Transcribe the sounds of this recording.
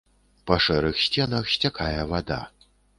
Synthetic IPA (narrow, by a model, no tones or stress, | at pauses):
pɐʂɛɾɨxsʲt͡sʲɛnɐxsʲt͡sʲakʰajɛvad̪a̰